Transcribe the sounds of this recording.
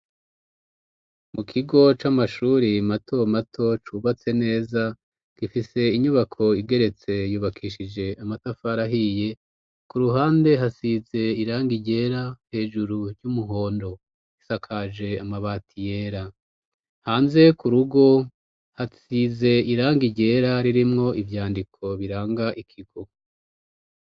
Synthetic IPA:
mukʰiɡo̞t͡ʃamaʃuːɾimatʰo̞matʰo̞t͡ʃuβat͡se̞ne̞ːza | ɡ̥ifise̞iɲuβakʰo̞iɡe̞ɾe̞t͡se̞juːβakʰiːʃid͡ʒe̞amatafaɾaɦije̞ | kuɾuɦaːnde̞ɦasize̞iɾaːŋɡiɟe̞ɾahe̞ːʒuɾuɾjumuɦo̞ːndo̞ | isakʰaʒe̞amaβaːtʰijeːɾa | haːnze̞kuɾuɡo̞ | hasize̞iɾaːŋɡiɟe̞ːɾaɾiɾimŋo̞ʔivjaːndikʰo̞βiɾaːŋɡaʔikʰiɡ̥o̞

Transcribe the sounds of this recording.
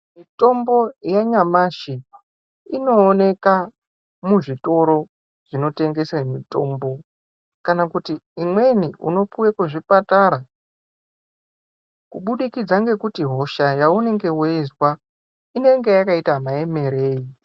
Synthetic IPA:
mito̞mbo̞jaɲamaʃi | ino̞ːne̞ka | muʐito̞ɾo̞ | ʐ̥ino̞te̞ŋɡe̞samito̞ːmbo̞ | kanakutiimwe̞niʔṵno̞puwekweʐipataɾa | kuɓuɗikid͡zaŋɡe̞kutiɦo̞ʃajaune̞ŋɡe̞weizwa | ine̞ŋɡe̞jakaitamaje̞me̞ɾe̞ːi

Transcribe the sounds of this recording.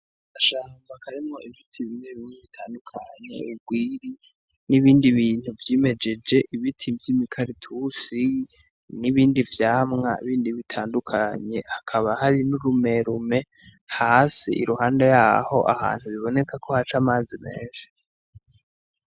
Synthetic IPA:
aʃaːmbakʰaɾimŋo̞ʔivitʰiβineβimweβitʰaːndukʰaɲe̞̰ubɡwiːɾi | niβiːndiβiːn̥huvjeːme̞d͡ʒe̞d͡ʒe̞ʔiβitʰimvjimikʰaɾitʰusi | niβiːndivjaːmŋa̰ḭβiːndiβitʰaːndukʰaɲe̞hakʰaβahaɾinuɾume̞ɾume̞ | haːsḭʔḭɾuhaːndejaːho̞ʔa̰ha̰ːn̥huβiβo̞ne̞kʰakʰo̞hat͡ʃaːmaːzimḛːʃe̥

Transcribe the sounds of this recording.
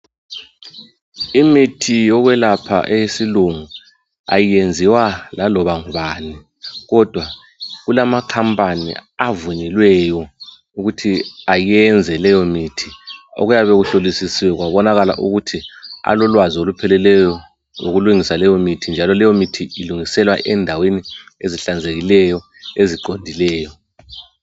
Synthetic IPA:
imitʰijɔɣwɛlapʰa̰ʔejesiluŋu | a̰jijend͡zʱiwalalɔβaŋuβaːni | ɣɔd̥ʱwa | ɣulamakʰampʼanḭavuɲɛlwɛjɔ | uɣutʰiajɛnd͡zʱɛlɛjɔmitʰio̰ɣujaβeɣuɬolisisiwɛɣwaβɔnaɣala̰ʔuɣutʰia̰lɔlwaziolupʰɛlɛlɛjɔ | ŋoɣuluŋisalɛjɔmitʰind͡ʒʱalɔlɛjɔmitʰiiluŋisɛlwa̰ʔɛndʱawenieziɬand͡zʱeɣilɛjɔ | eziǃondʱilɛːjɔ

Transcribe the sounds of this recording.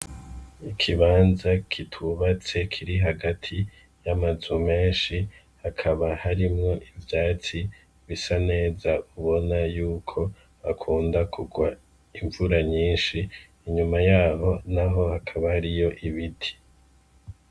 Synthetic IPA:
ikʰiβaːnzakʰitʰuβat͡se̞kʰiɾiɦaɡatʰi | jamazume̞ːnʃi | hakʰaβahaɾimŋo̞ʔivjaːt͡si | βisane̞ːzauβo̞najuːkʰo̞ | akʰuːndakʰuɡwa | iɱvuɾaɲiːnʃiː | ɲumajaːɦo̞naɦo̞hakʰaβahaɾijo̞ʔiβitʰi̥

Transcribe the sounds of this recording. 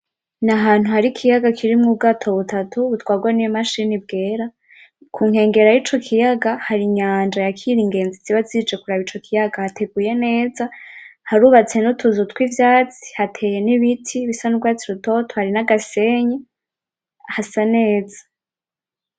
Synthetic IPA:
naɦaːn̥huhaɾikʰijaɡakʰiɾimŋub̚ɡaːtʰo̞βutatuβutwaːɡwanijmaʃinib̚ɡe̞ːɾa | kʰuŋhe̞ːŋɡe̞ɾajit͡ʃo̞kʰijaɡahaɾiɲaːnd͡ʒajakʰiɾiŋɡe̞ːnziziβazid͡ʒe̞kuɾaβit͡ʃo̞kʰijaɡahatʰe̞ɡuje̞ne̞ːzahaɾuːβat͡se̞nutʰuzutkwivjaːt͡si̥hatʰe̞ːje̞niβitʰiβisanub̚ɡaːt͡siɾuto̞tʰohaɾinaɡase̞ɲe | hasane̞ːzḁ

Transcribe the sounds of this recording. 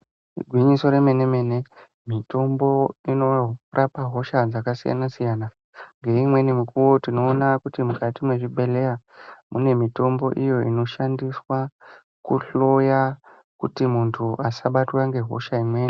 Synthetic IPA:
ɡʱwiɲiso̞ɾe̞me̞ne̞me̞ne̞ | mito̞mbo̞ino̞rʔapaɦo̞ʃad͡zakasija̰nasijaːna | ŋɡe̞imwe̞nimukuwo̞tino̞ːnakutimukatimwe̞ʐiɓʱe̞le̞ja | mune̞mito̞mbo̞̰ʔijo̞ino̞ʃandiswa | kuɬo̞ja | kutimuntʰuʔasaɓatwaŋɡe̞ɦo̞̰ʃaimwe̞ːni

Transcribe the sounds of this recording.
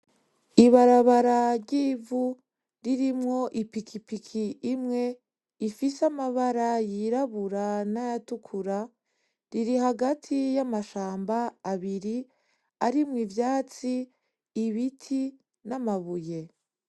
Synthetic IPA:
iβaɾaβaɾaɾɟiːvu | ɾiɾimŋo̞ʔipikʰipikʰiʔːmŋe̞ | ifisamaβaɾajiɾaβuɾanajatukʰuɾa | ɾiɾiɦaɡatʰijamaʃaːmbaːβiɾi | aɾimŋivjaːt͡siː | βitʰi | namaβuje̞

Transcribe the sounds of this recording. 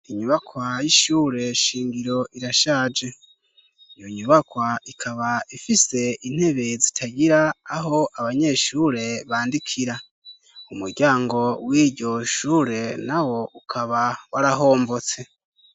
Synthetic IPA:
iɲuβakwajiʃuːɾe̞ʃiːŋɡiɾo̞ʔiɾaʃaːd͡ʒe | ijoɲuβakwaikʰaβaifise̞in̥he̞βe̞zitʰaɟiɾaːɦo̞ʔaβaɲe̞ʃuːɾe̞βaːndikʰiɾa | umuɾɟaːŋɡo̞wiːɾɟo̞ʃuːɾe̞nawo̞ʔukʰaβawaɾaɦo̞ːmbo̞t͡se̞

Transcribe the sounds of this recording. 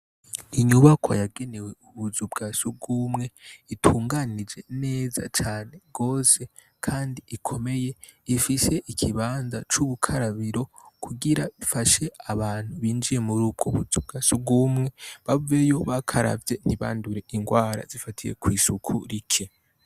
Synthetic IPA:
iɲuβakʰo̰jaɡe̞ne̞we̞uβuzubɡasuɡuːmŋe̞itʰuːŋɡanid͡ʒe̞ne̞ːza̰t͡ʃaːne̞ɡ̥o̞ːse̞ | kʰaːndiikʰo̞me̞je̞ | ifise̞ʔikʰiβaːnzat͡ʃuβukʰaɾaβiɾo̞kʰuɡiɾaβifaʃe̞aβaːn̥huβiːnd͡ʒije̞muɾuːb̚ɡoβuzub̚ɡaːsuɡumŋe̞βavuejo̞βakʰaɾa̰vje̞n̥hiβa̰ːnduɾe̞ʔiŋɡwaːɾa̰z̥ifatʰije̞̰kwiːsukʰṵɾikʰe

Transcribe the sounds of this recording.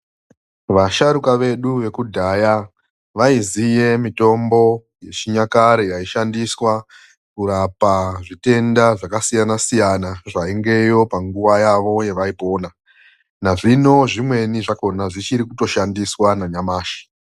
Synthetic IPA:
ʋaʃaɾukaʋe̞ɗuʋe̞kudʱaja | ʋaizije̞mito̞mbo̞ | je̞t͡ʃiɲakaɾejaiʃandiswa | kuɾapaʐite̞ndaʐakasijanasijanaʐaiŋɡe̞jo̞paŋɡuʋajaʋo̞je̞ʋaipo̞ːna | naʐino̞ʐimwe̞niʐako̞naʐit͡ʃiɾikuto̞ʃandiswanaɲamaːʃi̥

